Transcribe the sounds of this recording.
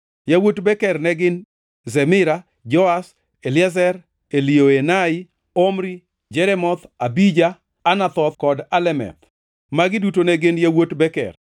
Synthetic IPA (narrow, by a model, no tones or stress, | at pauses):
jawotbɛkɛrnɛɡɪn | zɛmɪɾa | d͡ʒɔas | elɪazɛɾ | elioenaɪ | omɾi | d͡ʒɛɾɛmɔt̪abid͡ʒaː | nat̪ɔt̪kɔdalɛmɛ̰t̪ | maɡɪdutonɛɡɪnjawotbɛkɛ̰r